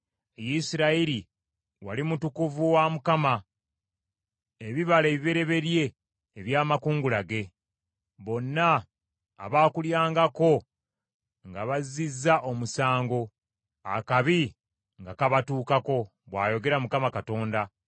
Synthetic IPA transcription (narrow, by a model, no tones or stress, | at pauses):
jisiɾaiɾi | walimutukuvuwamukama | eβiβale̞ːβiβe̞ɾe̞βe̞ɾje̞ː | βjaːmakuːŋɡulaɡe̞ | βo̞nːa̰ː | βaːkuljaːŋɡako̞ | ŋɡaβazizːaʔo̞musaːŋɡo̞ | a̰kaβi | ŋɡakaβatuːkako̞ | βwaːjo̞ɡe̞ɾamukamakato̞ːnda